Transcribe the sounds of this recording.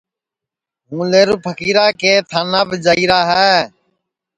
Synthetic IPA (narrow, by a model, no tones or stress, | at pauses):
ɦũːleːɾuːpʰəkiːɾaːkeːt̪ʰaːnãːbɪd͡ʒaːiːɾaːɦɛː